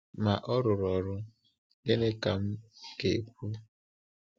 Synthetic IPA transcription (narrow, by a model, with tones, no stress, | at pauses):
ma˨ʔɔ˦ɾʊ˨ɾɔ˨ɾʊ˦ | ɡe˦ne˦ka˨m̩˦ke˨k̚ʷu˦